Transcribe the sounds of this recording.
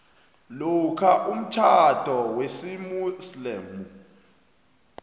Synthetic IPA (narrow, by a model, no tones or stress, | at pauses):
lukʰaʔum̩t͡ʃʰad̥ʱɔwesimuslemu